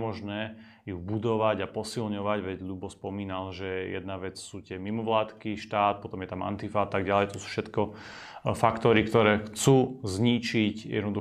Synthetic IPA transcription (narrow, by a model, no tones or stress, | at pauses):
mɔʒnɛː | jubud̪ɔʋaɟapɔsilɲɔʋaɟʋɛɟɡd̪ubɔspɔmiːnalʒɛjɛ̰d̪naʋɛt͡ssuːt̪ɪɛmimɔʋlaːt̪kiʃt̪aːt̪̚pɔt̪ɔmjɛt̪ama̰nt̪ifat̪aɡɟalɛjt̪ɔsu̥ːfʃɛt̪kɔ | fakt̪ɔɾikt̪ɔɾɛːxt͡suːzɲit͡ʃicjʔɛ̰d̪nɔd̪u